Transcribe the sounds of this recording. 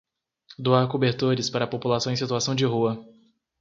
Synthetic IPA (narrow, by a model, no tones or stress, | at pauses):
d̪uaɾkobeɾt̪oɾɪspaɾɐpopulasɐ̃w̃ẽsit̪uasɐ̃w̃d͡ʒɪɦuɐ